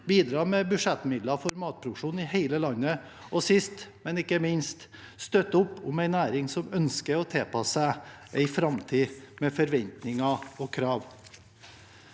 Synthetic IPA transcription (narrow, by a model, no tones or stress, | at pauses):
biːd̪ɾɑːmɛbʉʂɛt̪mɪd̪lɑfɔɾmɑːt̪̚pʰɾʊkʂuːn̩ɪheɪləlɑnːə | ɔsɪst̪mɛnɪkːəmɪnst̪ | st̪œt̪ːʊpːʊmæɪnæːɾɪŋsɔmœnskəɾɔt̪ʰeːpʰɑsəʔæɪfɾɑmt̪ʰiːmɛfɔɾʋɛnt̪nɪŋɑɔkʰɾɑːʋ